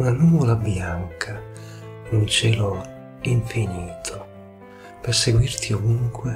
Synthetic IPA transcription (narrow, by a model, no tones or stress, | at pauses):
unanuːvolabjaŋkʰa | nunt͡ʃɛːlo | iɱfiniːt̪ʰo | perseɡwirt̪ʰiovuŋkwe